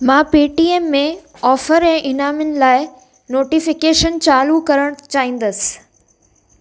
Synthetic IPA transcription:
mãːpiːʈiːeːmːẽ | ɔːfəɾɛ̃ːʔɪnaːmənɪ̆laːɪ | noːʈifɪkeːʃənt͡ɕaːlukɐɾəɽ̃t͡ɕaːɦĩːn̆d̪əsɪ̥

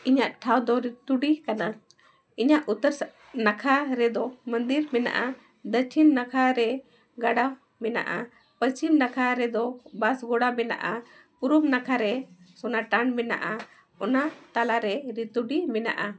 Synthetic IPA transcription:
iɲaʔʈʰawd̪ɔɾit̪uɖikana | iɲaʔut̪əɾ | nakʰaɾɛd̪ɔmənd̪iɾmɛna̰ʔa | d̪ət͡ʃʰinːakʰaɾɛ | ɡaɖa | mɛna̰ʔa | pət͡ʃimnakʰaɾɛd̪ɔbasɡɔɽamɛna̰ʔa | puɾumnakʰaɾɛsɔnaʈanmɛna̰ʔa | ɔnat̪alaɾɛɾit̪uɖimɛna̰ʔa

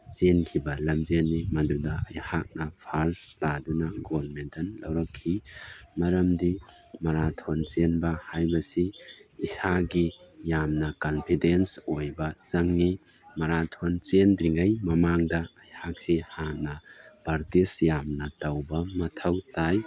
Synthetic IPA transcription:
senkʰibɐlɐmzenːimɐdɾudɐɐjhak̚nɐpʰaɾstadunɐɡobɐɾmentɐnlɐ̰wɾɐkʰːimɐɾɐmdi | mɐɾatʰont͡ʃenbɐhajbɐsiːsaɡijamnɐkɐnpʰidensojbɐt͡ʃɐŋni | mɐɾatʰont͡ʃendɾiŋɐjmɐmaŋdɐːjhak̚sihanɐb̥aɾtisjamnɐtawbɐmɐtʰɐwtaj

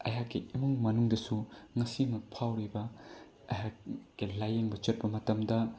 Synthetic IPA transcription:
ɐ̰ɦakiimuŋmɐnuŋdɐsuŋɐsimɐk̚pʰawɾibɐ | ɐɦakilajeŋbɐt͡ʃɐt̚pɐmɐtɐmdɐ

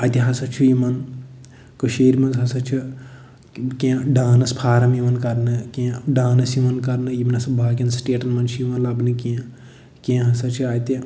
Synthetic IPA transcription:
ɐt̪iɦɐsɐt͡ʃʰijimɐn | kɨʃeːɾmɐnzɦɐsɐt͡ʃʰi | kẽɖaːnɐspʰaːɾɐmimɐnkɐɾnɨkẽɖaːnɐsimɐnkɐɾnɨjimɐnɐsɐbʱaːɡʲɐnsʈeːʈɐnmɐnt͡ʃʰijimɐnlɐbnɨkẽ | kẽːɦɐsɐt͡ʃʰiaːt̪i

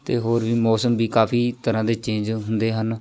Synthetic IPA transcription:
t̪eːɦoːɾʋiːmɔːsəmbiːkaːpʰiːt̪əɾãːd̪eːt͡ʃẽːɲd͡ʒɦʊnd̪eːɦən

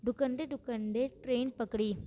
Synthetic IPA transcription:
d̪ʊkɐɳɖ̪ed̪ʊkɐɳɖ̪eʈɾeːnpɐkːɽi

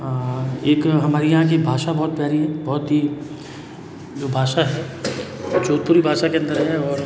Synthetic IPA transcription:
eːkɦɐmaːɾijɐɦãk̬ibʱaːʃabɔɦt̪̚pjaːɾiɦɛbɔɦʊt̪ɦi | d͡ʒoːbʱaːʃaɦɛ | t͡ʃoːɾ̚puːɾibʱaːʃakeɐ̃nd̪əɾɦɛɔːɾ

